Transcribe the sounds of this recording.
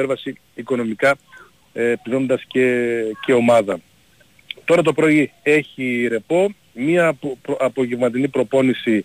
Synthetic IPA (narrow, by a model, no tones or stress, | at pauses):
eɾvɐsiː | ko̞no̞mikɐ | piɾo̞nd̪ɐscece̞o̞mɐðɐ | t̪o̞ɾɐt̪o̞pɾo̞ie̞çiɾe̞po̞ | mɐɐpo̞ʝevmɐt̪̬inipɾo̞po̞nisi